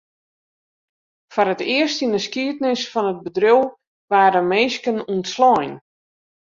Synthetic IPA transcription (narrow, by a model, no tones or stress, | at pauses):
fɔrətɪəstindəskiət̚nɪsfɔnət̚bədrøwˠ | ʋaːɾəmeːskənuntslɔjn